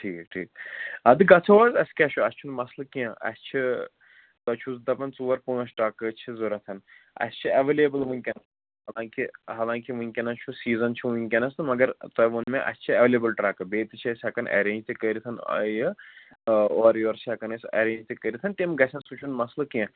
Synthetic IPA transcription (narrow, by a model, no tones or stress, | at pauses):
ʈʰiːkʈʰḭːk̚ɐd̪ɨɡɐt͡sʰoʋɐzɐskʲɛt͡ʃʰuɐst͡ʃʰunmɐslɐkiɐ̃ɐ̰st͡ʃʰi | t̪ɐt͡ʃʰusd̪ɐpɐnt͡suːʋɐɾpuːnɐsʈaːkɨt͡ʃʰizuɾɐt̪ʰɐnɐ̰st͡ʃʰiɐʋeːleːbɐlʋunʲkʲɐnɐ | ɦɐlãːŋkiɦaːlãːŋkiʋunʲkʲɐnɐt͡ʃʰusiːzɐnt͡ʃʰuʋunʲkʲɐnɐsɨmɐɡɐɾt̪ɔʋunmẽʔɐ̰st͡ʃʰiɐʋeːleːbɐlʈɾaːkɐbeːt̪ɨt͡ʃʰiɐsʲɐkɐnʔɐ̰ɾẽːnd͡ʒt̪ɨkɐɾit̪ʰɐnɐ̰j | ɔːɾjoːɾt͡ʃʰiɐkɐnɐsʲɐ̰ɾẽːnd͡ʒt̪ɨkɐɾit̪ʰɐnʈ̪imɡɐsʰʲɐ̃nsut͡ʃʰunmɐslɐkiɐ̃